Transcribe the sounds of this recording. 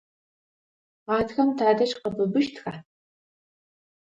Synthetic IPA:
ʁɑːtxɐmtʰaːdɐʃqəbɨbɨʃtʰxa

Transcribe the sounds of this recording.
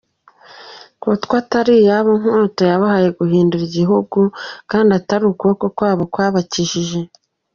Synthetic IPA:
kwotkwataɾijaβoŋhutojaβahaje̞ɡuɦiːnduɾiɟiɦuɡukaːndiataɾukokokwaːβo̞kwaːβaciʒiʒe̞

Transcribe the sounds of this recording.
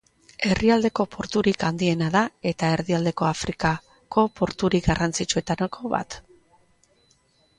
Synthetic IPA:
e̞riald̪e̞ko̞po̞ɾt̪uɾikand̪ie̞naðae̞t̪ae̞ɾðiald̪e̞ko̞afɾika | ko̞po̞ɾt̪uɾiɡarant͡sit͡ʃue̞t̪ankʰoβa̰t̪

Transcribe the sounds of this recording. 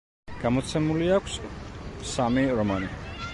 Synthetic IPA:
ɡ̥amɔt̪sʰɛmuliakʷʰs | samiɾɔmani

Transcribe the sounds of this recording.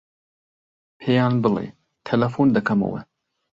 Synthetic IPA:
pʰejɑːnbɨlḛ | t̪ʰelɐfond̪ɐkʰɐmɐ̰wḛ

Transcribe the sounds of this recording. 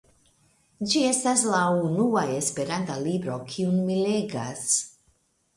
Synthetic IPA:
d͡ʒie̞staslaunuaespeɾant̪alibɾo̞kʰiunmileɡa̰s

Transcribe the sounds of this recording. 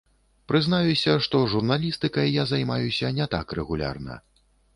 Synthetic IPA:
pɾɨznajusʲɐʂt̪ɔʐurnalʲist̪ɨkɐjːazajmajusʲɐnʲɛt̪a̰krɛɣulʲa̰rnɐ̰

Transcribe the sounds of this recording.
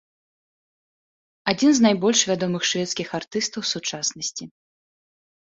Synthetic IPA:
ad͡zʲinznajbɔlʲʂvʲad̪ɔmɨxʂvʲɛt̪skʲixart̪ɨst̪ɐwsut͡ʂasnɐsʲt͡sʲi

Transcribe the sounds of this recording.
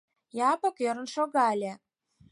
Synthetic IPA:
jɑpɤ̆køɾə̆nʃoɣɑlʲĕ

